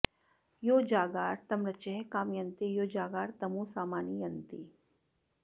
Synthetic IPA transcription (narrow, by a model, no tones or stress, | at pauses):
joːd͡ʒaːɡaːɾt̪ɐmɾɐt͡ʃeɦkaːmjɐnt̪ijoːd͡ʒaːɡaːɾt̪ɐmũːsaːmaːnijɐnt̪i